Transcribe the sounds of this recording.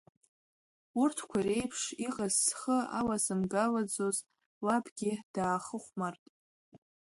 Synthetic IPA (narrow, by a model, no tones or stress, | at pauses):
urtʰkʷʰare̞jpʰʂiqʼazːχəa̰lazɨmɡalad͡zoz | labɡʲɪd̥aːχəχʷmartʼ